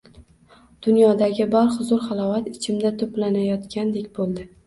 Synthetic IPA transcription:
d̪̥ʊnjɒd̪aɡʲɪbɒɾχʊzʊɾχalˠɒwat̪ɪt͡ʃʰɪmd̪at̪ʰoplanajɒt̪kʲand̪e̞kʲbolˠd̪ɪ

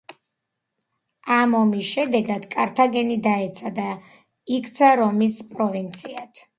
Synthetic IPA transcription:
amɔmisʃɛd̪ɛɡad̪̥kʼaɾt̪ʰaɡɛnid̪aɛt̪sʰad̪a | ikʰʼt̪sʰaɾɔmispʼɾɔvint̪sʰiat̪ʰ

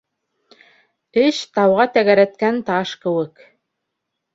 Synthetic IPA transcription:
ɘɕt̪ɑwʁɑt̪æɣæɾæt̪̚kænt̪ɑʃkɘ̆wɘ̆k

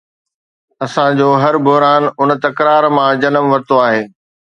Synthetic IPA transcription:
ɐsãd͡ʑoːɦɐɾbʊɦɾaːnʊnt̪ɐkɾaːɾmãd͡ʑɐnəmʋɐɾt̪oaːɦeː

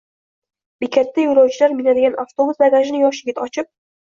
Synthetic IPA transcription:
bikʲʰat̪ːajuɾawt͡ʃʰɪlaɾminad̪ɪɡʲanʔaft̪obusbaɡaʒɪnɪjɒʃjɪɡʲɪt̪ʰɒt͡ʃʰɪp̚

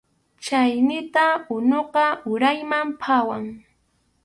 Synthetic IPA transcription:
t͡ʃajnɪt̪aʊnoqɑʊɾajmampʰawaŋ

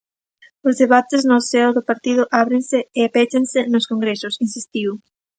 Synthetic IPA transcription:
ozðeβat̪ɪznʊsɛoðopaɾt̪iðʊʔaβɾẽnsɪːapet͡ʃensɪnoskoŋɡɾesʊsinsist̪iw

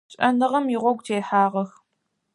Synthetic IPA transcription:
ɕʼɐnɨʁɐmjiʁʷɔɡʷtʰeːħaːʁɐx

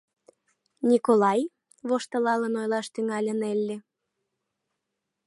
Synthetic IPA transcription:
nʲikolɑj | βoʃt̪ə̆lɑlənojlɑʃt̪yŋɑlʲənelʲːe

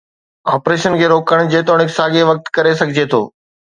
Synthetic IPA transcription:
aːpɾeːʃənkʰeːɾoːkəɽ̃d͡ʑeːt̪oːɽ̃ɪksaːɡeʋɐk̚t̪kɐɾesɐɡʱɪd͡ʑet̪ʰo̰ː

